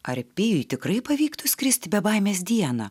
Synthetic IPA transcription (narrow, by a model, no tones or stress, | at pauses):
ɐɾʲpʲɪjʊjt̪ʲɪkɾɐɪpɐʋʲiːkt̪ʊsʲkʲɾʲɪsʲt̪ʲbʲɛbɐɪmʲeːsʲd̪ʲiɛnɐ